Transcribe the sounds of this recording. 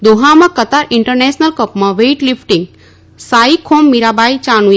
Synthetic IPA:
d̪oɦamãkət̪aɾiɳʈəɾnesnəlkəpmãʋeʈlifʈiŋɡ | saikʰomːiɾabajt͡ɕañu

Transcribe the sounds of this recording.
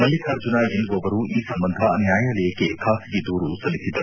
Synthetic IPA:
mɐlːikʰaːɾd͡ʒunaend̪uʋɔʋɐɾuiːsɐmbɐnd̪ʱɐnjaːjaːlɐjɐkekʰaːsiɡed̪uːɾusɐlːisid̪ɐɾ

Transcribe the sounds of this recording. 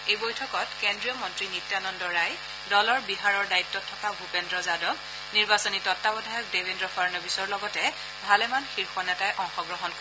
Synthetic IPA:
ejbojtʰɔkɔtkendɹijɔmɔntɹinitːanɔndɔɹaj | dɔlɔɹbiɦaɹɔɹdaitːɔtʰːɔkabʱupendɹɔzadɔɡ | niɹbasɔnitɔtːabɔdʱajɔk̚debʱendɹɔpʰaɹnɔbisɔɹlɔɡɔtɛ | bʱalɛmanxiɹxɔnɛtajʔɔŋxɔɡɹɔɦɔnkɔ

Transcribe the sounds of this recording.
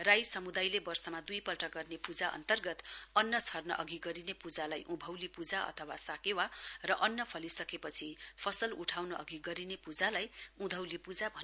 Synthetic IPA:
rajsʌmud̪ajlebʌrsʌmad̪ujpʌlʈʌɡʌrnepud͡zaʔʌ̰nt̪ʌrɡʌt̪ʌnːʌt͡sʰʌrnʌʔʌɡiɡʌɾinepud͡zalajʔũbʱʌwlipud͡zaʌ̰t̪ʰʌwasakewarʌʔʌnːʌpʰʌlisʌkepʌt͡sʰipʰʌsʌluʈʰawnʌʔʌɡiɡʌɾinepud͡zalajũd̪ʱʌwlipud͡zabʱʌn

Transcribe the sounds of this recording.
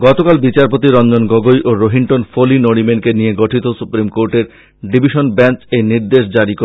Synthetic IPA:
ɡɔt̪okalbit͡ɕaɾpot̪iɾɔnd͡ʑonɡoɡojʔoɾoɦiɳʈonfʰolinoɽ̃imeɳʈkenijeɡoʈʰit̪osupɾimkoɾʈeɾ | ɖibʱiʃonbɛnt͡ɕejniɾd̪eʃd͡ʑaɽiko

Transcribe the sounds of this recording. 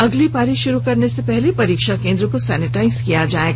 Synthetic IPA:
ɐɡlipaːɾiʃʊɾukɐɾnesepɛɦlepɐɾiːkʃakẽːnd̪ɾəkosɛːnɪʈaːɪzkijad͡ʒaːeːɡa

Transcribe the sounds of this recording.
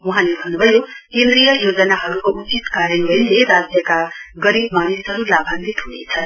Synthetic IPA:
wuɦãlebʱʌnːubʱʌjokẽnd̪ɾijʌjod͡zʌnaɦʌɾukoʔut͡sit̪kaɾʌnbʱʌjleɾad͡zjʌkaɡʌɾibmanisɦʌɾulabʱanɾit̪ɦunḛt͡sʰʌ

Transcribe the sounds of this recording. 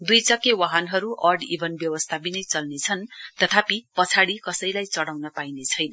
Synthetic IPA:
d̪ujt͡sʌkewaɦʌnɦʌɾuʔʌrɖḭbʱʌnbjʌwʌst̪ʰabinʌjt͡sʌlnet͡sʰʌnt̪ʌt̪ʰapipʌt͡sʰaɽikʌsʌjlajt͡sʌɽawnʌpainet͡sʰʌjnʌ

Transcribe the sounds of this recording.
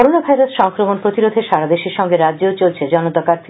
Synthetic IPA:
ɔɾonabʱajɾosʃɔŋkɾomonpɾot̪iɾod̪ʱeʃaɾad̪eʃiɾʃɔŋɡeɾadd͡ʑot͡ɕolt͡ɕʰed͡ʑɔnot̪akaɾt̪ʰi

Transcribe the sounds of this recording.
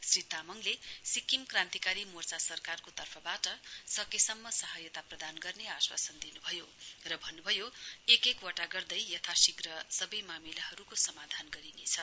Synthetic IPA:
srit̪amʌŋlesikːimkrãnt̪ikaɾimort͡sasʌrkarkot̪ʌrpʰʌbaʈʌsʌkesʌmːʌsʌɦajʌt̪aprʌd̪anɡʌrneaswa̰sʌnd̪inubʱʌjorʌbʱʌnːubʱʌjoekekwʌʈaɡʌrd̪ʌjjʌt̪ʰasiɡrʌsʌbʌjmamilahʌɾukosʌmad̪ʱanɡʌɾinet͡sʰʌ

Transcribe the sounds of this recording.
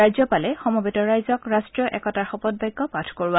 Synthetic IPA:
ajzɔpalɛxɔmɔbetɔɹajzɔkɹastɹjɔʔɛkɔtaɹxɔpɔd̚bajɡːɔpatʰkoɹwa

